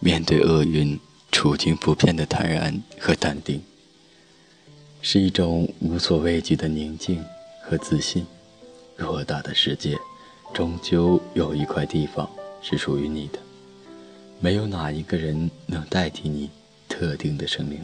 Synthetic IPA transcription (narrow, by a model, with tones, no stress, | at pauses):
mjɛ˥˧nt̪we˥˧ɪʔɤ˥˧y˥˩n | ʈ͡ʂʰu˨˩t͡ɕ̪ʰi˥ŋpʰu˧˥pʰjɛ˥˩nd̪ə˩t̪ʰa̰˧˥nɻa̰˧˥nxɤ˧˥t̪a˥˩nt̪i˥˩ŋ | ʂɻ̩˥˧i˥˩ʈ͡ʂʊ˨˩ŋu˧˥swɔ˨˩we˥˩ɪt͡ɕy˨˩d̪ə˧ni˧˥ŋt͡ɕi˥˩ŋxɤ˧˥t͡sɹ̩˥˩ɕi˥˩n | ɻɔ˥˩˧t̪a˥˩d̪ə˩ʂɻ̩˥˧t͡ɕjɛ˥˩ | ʈ͡ʂʊ˧˥ŋt͡ɕjo˥ʊjo˨˩ʊi˧˥kʰwa˥˧ɪt̪i˥˩fɑ̰˨˩ŋʂɻ̩˥˩ʂu˨˩y˧˥ni˨˩d̪̥ə̥˦ | me˧˥ɪjo˧˥ʊna˨˩i˧˥ɡə˧ɻə˧˥nnɤ˧˥ŋt̪a˥˩ɪt̪ʰi˧˥ni˨˩ | t̪ʰɤ˥˧t̪i˥˩ŋd̪ə˩ʂɤ˥ŋmi˧˥˩ŋ